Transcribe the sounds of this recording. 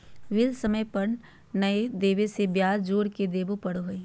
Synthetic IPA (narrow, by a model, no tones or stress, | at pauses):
ʋɪlsɐməjpɐɾ | nɐed̪eːʋesebjaːd͡ʒoːɾked̪eːbopɐɽoɦoi